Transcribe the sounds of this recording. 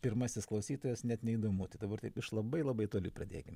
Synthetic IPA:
pʲɪɾmɐsʲɪsklˠɐʊsʲiːt̪oːjɛsnʲɛt̪nʲɛid̪oːmuːt̪ɐɪd̪ɐbɐɾt̪ɐɪpɪʃlˠɐbɐɪlˠɐbɐɪt̪oːlʲuːprɐd̪ʲḛːkʲɪm

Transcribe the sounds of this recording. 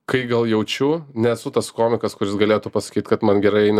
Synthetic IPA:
kɐɪɡɐlˠjɛʊt͡ʃʲʊnʲɛsʊt̪ɐskoːmʲɪkɐskʊɾʲɪsɡɐlʲeːt̪ʊpɐsɐ̥kʲiːt̪kɐt̪mɐnɡʲɛɾɐɪɛɪnʲ

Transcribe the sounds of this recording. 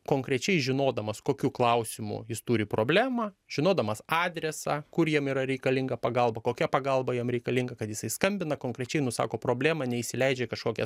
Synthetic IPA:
koːŋkɾʲɛt͡ʃʲɛɪʒʲɪnoːd̪ɐmɐskoːkʲuːklˠɐʊsʲɪmʊ̰jɪst̪uɾʲɪpɾoːbʲlʲæːmɐːʒ̥ʲɪnoːd̪ɐmɐsɑːd̪ʲɾʲɛsɑːkʊɾjiɛmiːɾɐɾʲɛɪkɐlʲɪŋɡɐpɐɡɐlˠbɐkoːkʲɛpɐɡɐlˠbɐjiɛmɾʲɛɪkɐlʲɪŋɡɐkɐt̪jɪsɐɪskɐmʲbʲɪnɐkoːŋkɾʲɛt͡ʃʲɛɪnʊsɑ̰ːkoːpɾoːbʲlʲæːmɐnʲɛisʲɪlʲɛɪd͡ʒʲɛkɐʃkoːkʲɛ̰

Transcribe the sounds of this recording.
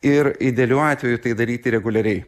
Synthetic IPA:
ɪɾɪd̪ʲɛlʲuːɑːt̪ʲʋʲɛjut̪ɐɪd̪ɐɾʲiːt̪ʲɪɾʲɛɡʊlʲɛɾʲɛɪ

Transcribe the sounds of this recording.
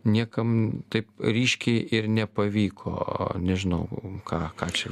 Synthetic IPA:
nʲiɛkɐmt̪ɐɪpɾʲiːʃʲkʲɛɪʔɪɾnʲɛpɐʋʲiːkʰo̰ːnʲɛʒʲɪnɐʊkʰɑːkɑːt͡ʃʲɛ

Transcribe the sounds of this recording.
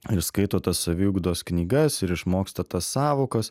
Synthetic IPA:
ɪɾskɐɪt̪oːt̪ɐsɐʋʲiːuɡd̪oːsknʲiːɡɐsɪɾɪʃmoːkst̪ɐt̪ɐsɑːʋoːkɐs

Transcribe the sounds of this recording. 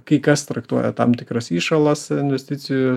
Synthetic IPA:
kɐɪkɐst̪ɾɐkt̪uɔjɛ̰t̪ɐmt̪ʲɪkɾɐsiːʃɐlˠɐsɪnʲʋʲɛsʲt̪ʲɪt͡s̪ʲɪjʊ

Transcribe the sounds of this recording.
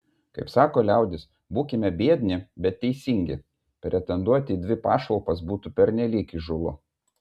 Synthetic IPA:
kɐɪpsɑːkoːlʲæˑʊd̪ʲɪs | buːkʲɪmʲɛbʲiɛd̪ʲnʲɪbʲɛt̪ʲtːʲɛɪsʲiŋʲɡʲɪ̰ | pʲɾʲɛt̪ʲɛnd̪uɔt̪ʲɪd̪ʲʋʲɪpɑːʃɐlˠpɐsbuːt̪upʲɛɾʲnʲɛlʲiːkiʒʊlˠʊ

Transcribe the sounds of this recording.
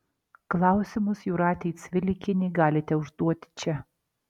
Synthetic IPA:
klˠɑˑʊsʲɪmʊsjuɾɑːt̪ʲɛɪt̪sʲʋʲɪlʲɪkʲɪnʲɪɡɑːlʲɪt̪ʲɛʊʒd̪uɔt̪ʲɪ̥t͡ʃʲɛ

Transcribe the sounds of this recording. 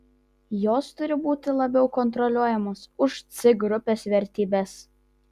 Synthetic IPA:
joːst̪ʊɾʲɪbuːt̪ʲɪlˠɐbʲɛʊkɔnt̪̬ɾɔlʲuɔjɛmoːsʊʃt̪sʲɪɡɾʊpʲeːsʋʲɛɾʲt̪ʲiːbʲɛs

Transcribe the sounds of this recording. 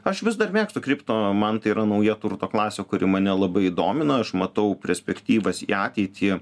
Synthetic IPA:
ɐʃʋʲɪsd̪ɐrmʲeːkst̪ʊkɾʲiːpt̪omɐnt̪ɐɪiːɾɐnɐʊjɛt̪urt̪oːklˠɑːsʲeːkʊɾʲɪmɐnʲɛlˠɐbɐɪid̪oːmʲɪnɐɐʃmɐt̪ɐʊpʲɛɾʲsʲpʲɛkt̪ʲiːʋɐsḭːɑːt̪ʲɛɪt̪ʲʰɪ

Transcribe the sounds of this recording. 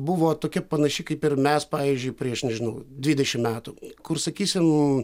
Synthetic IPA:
bʊʋoːt̪oːkʲɛpɐnɐʃʲɪkɐɪpɪɾmʲɛspɑːʋʲiːzʲd͡ʒʲʊɪpʲɾʲiɛʃnʲɛʒʲɪnɐʊd̪ʲʋʲid̪ʲɛʃʲɪmmʲæːt̪ukʊrsɐkʲiːsʲɪm

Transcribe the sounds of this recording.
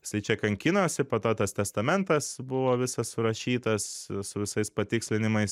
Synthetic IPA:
jɪsɐɪt͡ʃʲɛkɐŋʲkʲɪnoːsʲɪpoːt̪oːt̪ɐst̪ʲɛst̪ɐmʲɛnt̪ɐsbʊʋoːʋʲɪsɐssʊɾɐʃʲiːt̪ɐssʊʋʲɪsɐɪspɐt̪ʲɪksʲlʲɪnʲɪmɐɪs

